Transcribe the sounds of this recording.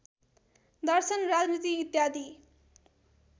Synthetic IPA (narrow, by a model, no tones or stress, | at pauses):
d̪ʌɾsʌnɾad͡znit̪iːt̪jad̪i